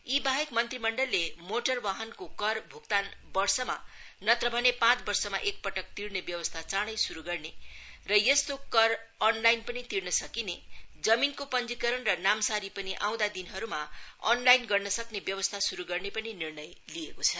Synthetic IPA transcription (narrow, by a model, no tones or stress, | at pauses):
ibaɦekmʌnt̪rimʌɳɖʌlːemoʈʌrbaɦʌnkokʌrbʱukt̪anbʌrsʌma̰nʌt̪rʌbʱʌnepãt͡sbʌrsʌmaʔek̚pʌʈʌk̚t̪iɽnebjʌwʌst̪ʰat͡saɽ̃ʌjsuɾuɡʌrnerʌjʌst̪okʌrːnlajnpʌnit̪iɽnʌsʌkined͡zʌminkopʌnd͡zikʌɾʌnrʌnamsaɾipʌniʔãw̃d̪ad̪inɦʌɾumaʌ̰nlajnɡʌrnʌsʌknebjʌwʌst̪ʰasuɾuɡʌrnepʌninirnʌjliekot͡sʰʌ